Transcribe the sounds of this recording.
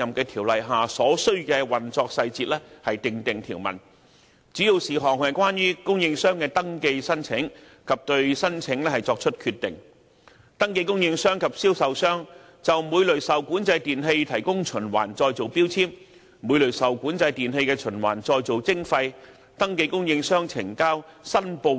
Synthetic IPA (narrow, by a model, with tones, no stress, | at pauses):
jɐ˨mkɛː˧t̪ʰiː˨˩wlɐ˨jɦaː˨˩sɔː˨˥sɵ˥ɥkɛː˧wɐ˨˩nt͡sɔː˧k̚sɐ˧jt͡siː˧t̚lɛː˥hɐ˨jt̪ɪ˨ŋt̪ɪ˨ŋt̪ʰiː˨˩wmɐ̰˨˩n | t͡siː˨˥ji˧wsiː˨ɦɔː˨ŋ̚hɐ˨jkʷwaː˥njyː˥kʊ˥ŋjɪ˧ŋsœː˥ŋkɛː˧t̪ɐ˥ŋke˧jsɐ˥nt͡sʰɪ˨˥ŋ | kʰɐ˨p̚t̪ɵ˧ɥsɐ˥nt͡sʰɪ˨˥ŋlɛː˥hɐ˨˩jt͡sɔː˧k̚t͡ʃʰɵ˥t̚kʰyː˧t̪ːɪ̰˨˩ŋ | t̪ɐ˥ŋke˧jkʊ˥ŋjɪ˧ŋsœː˥ŋkʰɐ˨p̚siː˥wsɐ˨wsœː˥ŋ | t͡sɐ˨wmuː˨˧jlɵ˨˩ɥsɐ˨wkuː˨˥nt͡sɐ˧jt̪iː˨˩nɦe˧jt̪ʰɐ˨˩jkʊ˥ŋt͡ʃʰɵ˨˩nwa̰ː˨˩nt͡sɔː˧jt͡so˨˩wpiː˥wt͡sʰiː˥m | muː˨˧jlɵ˨˩ɥsɐ˨wkuː˨˥nt͡sɐ˧jt̪iː˨˩nɦe˧jkɛː˧t͡ʃʰɵ˨˩nwa̰ː˨˩nt͡sɔː˧jt͡so˨wt͡sɪ˥ŋfɐ˧j | t̪ɐ˥ŋk̬e˧jkʊ˥ŋjɪ˧ŋsœː˥ŋt͡sʰɪ̰˨˩ŋkaː˥wsɐ˥npo˧